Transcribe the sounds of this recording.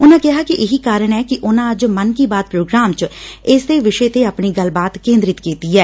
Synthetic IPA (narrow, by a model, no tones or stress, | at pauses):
ʊnãːkɪɦaːkiʔɪɦiːkaːɾəɳ̃ɛːkɪʔʊnãːəd͡ʒmənkiːbaːd̪̚pɾoːɡɾaːmt͡ʃɪːsd̪eːʋɪʃet̪eːəpɳiːɡəlbaːt̪kẽːnd̪ɾɪt̪kiːt̪iːɛː